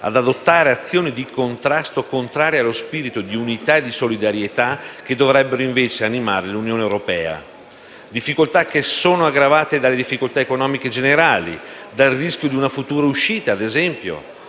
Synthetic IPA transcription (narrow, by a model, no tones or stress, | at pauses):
a̰d̪ad̪ot̪ːaːɾeat̪sːjoːnid̪ikont̪ɾast̪okont̪ɾaːɾjealːospiːɾit̪od̪iunit̪aed̪isolid̪aɾjet̪ak̟ed̪ːovɾɛbːeɾoiɱveːt͡ʃeanimaːɾelunjoːneewɾopɛ̰ːa̰ | d̪ifːikolt̪akːesoːnoaɡːɾavaːt̪ed̪alːed̪ifːikolt̪aekonɔːmiked͡ʒeneɾaːlḭ | d̪alriskjod̪iunafut̪uːɾauʃiːt̪aːd̪ezɛmpjo̰